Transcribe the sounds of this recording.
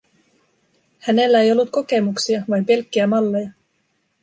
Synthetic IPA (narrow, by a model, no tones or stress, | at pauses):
hæne̞lːæe̞jo̞lːut̪̚ko̞ke̞muksiɑʋɑjmpe̞lkːiæmɑlːe̞jɑ